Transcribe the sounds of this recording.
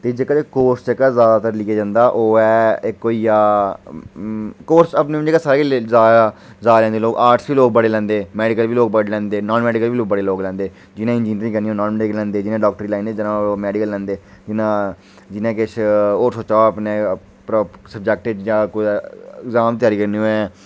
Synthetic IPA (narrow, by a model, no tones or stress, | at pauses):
t̪eːd͡ʒekat̪eːkoːɾst͡ʃəkːaːzaːd̪aːt̪əɾlɪkeːd͡ʒãːnd̪aːʔoːɛːɪkːoːiːjaː | koːɾsəpneːd͡ʒekaːsaːɾeːizaːa | zaːlɛ̃ːnd̪eːloːɡaːɾʈsʋiːloːɡ̚bəɽeːlɛ̃ːnd̪eːmɛːɖɪkəliːloːɡ̚bəɽlɛ̃ːnd̪eːnɔːnmɛːɖɪkəliːloːɡbəɽeːloːɡlɛ̃ːnd̪eː | d͡ʒɪnãːɪ̃nd͡ʒiːnɾĩŋkəɾniːõːnɔːnmɛːɖɪkəlɛ̃ːnd̪eːd͡ʒɪnẽːɖɔːk̚ʈəɾiːlãːnd̪eːd͡ʒɪnãːmɛːɖɪkəlːɛ̃ːnd̪eː | d͡ʒɪnãː | d͡ʒɪnẽːkɪʃʰoːsoːt͡ʃaːəpneː | pɾsəb̚d͡ʒɛk̚ʈɪɖjãːkoɪɡzaːmt̪jaːɾiːkəɾneːoːɛː